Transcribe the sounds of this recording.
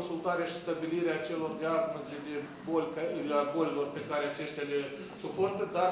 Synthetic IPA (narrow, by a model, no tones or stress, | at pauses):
nsult̪aɾeaʃi̥st̪abiliɾeaːt͡ʃe̞lo̞rd̪earmuzed̪e̞ | bolʲkabolelo̞rpe̞kaɾeat͡ʃe̞ʃt̪ʲale̞ | supo̞rt̪əd̪a